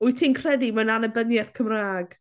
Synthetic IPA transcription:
ʊjtʰiːnkʰr̥ɛdimananəbənjɛθkʰəmraːɡ̥

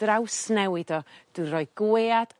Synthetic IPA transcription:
rawsnɛwɪdɔd̥uɾɔːɨɡ̥weːad̥

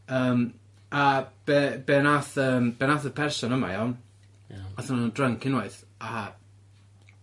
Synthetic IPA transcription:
əːm | ab̥ɛb̥ɛnaθəːmb̥ɛnaθəpʰɛrsɔnəma̰jɔn | aθanndrəŋkʰɪnwaɨθ | a

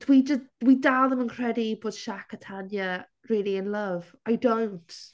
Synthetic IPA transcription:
d̥wid͡ʒəsd̥widalˠðəmənkʰr̥ɛdiboːd̥ʃakʰətʰanjə | rɪːlˠiɪnləv̥ | ajdownt

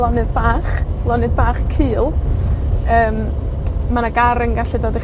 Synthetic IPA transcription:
lˠɔnɨðbaːχlˠɔnɨðbaːχkʰɨːlˠ | əːm | manaɡaɾəŋɡaɬidoːdi

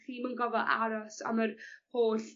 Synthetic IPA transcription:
χiːmənɡɔvɔʔa̰ɾɔsa̰məɾhoːɬ

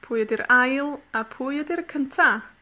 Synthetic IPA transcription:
pʰuːjədiɾajlˠapʰuːjədiɾkʰəntʰa

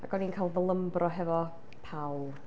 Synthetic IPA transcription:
a̰ɡ̥ɔninkʰalˠðəlˠəmbrʔɔɦɛvɔ | pʰawlˠ

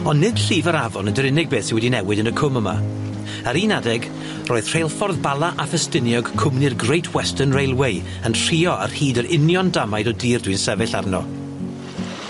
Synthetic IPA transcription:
ɔnːɪd̥ɬiːvəɾavɔnədəɾɪnɪɡ̚beːθsɪnwɛdinɛwɪdənəkʰʊməma̰ | əɾiːnadɛɡ | roːð̥r̥ejlˠfɔrðbalˠaʔafəstɪnjɔɡ̥kʰʊmnɪrɡrejtʰwɛstənrejlˠwej | əntr̥iːɔa̰rhiːdəɾɪnjɔndamajdɔdiːrdwinsɛvɨɬarnɔ̰

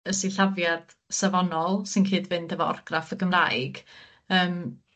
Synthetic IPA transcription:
əsiɬavjad̥ | savɔnɔlˠsɨnkʰɨːdvɨndəvɔɔ̰rɡ̥rafəɡəmrajɡ̥ | əːm

